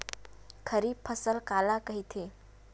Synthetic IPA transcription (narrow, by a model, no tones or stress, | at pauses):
kʰəɾiːpʰəsəlkalakəɦit̪ʰe